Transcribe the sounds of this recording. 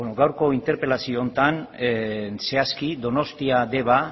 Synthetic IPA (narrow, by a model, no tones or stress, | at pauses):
onoɡawɾko̞int̪e̞ɾpe̞lasio̞ːnt̪an | se̞askid̪o̞no̞st̪iad̪e̞βa